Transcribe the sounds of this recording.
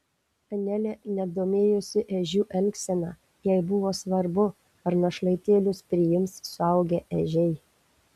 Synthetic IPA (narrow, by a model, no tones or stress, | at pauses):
ɐnʲɛlʲɛːnʲɛd̪oːmʲeːjʊsʲɪʔɛʒʲuːʔɛlʲksʲɛnɑː | jɛɪbʊʋoːsʋɐɾbʊ | ɐɾnɐʃlˠɐɪt̪ʲeːlʲʊspʲɾʲɪjɪmsːʊɐʊɡʲɛʔɛʒʲɛɪ